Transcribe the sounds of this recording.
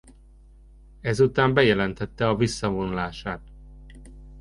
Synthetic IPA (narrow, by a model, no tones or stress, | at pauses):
ɛzut̪aːmbɛjɛlɛnt̪ɛt̪ːɛɒvisːɒvonulaːʃaːt̪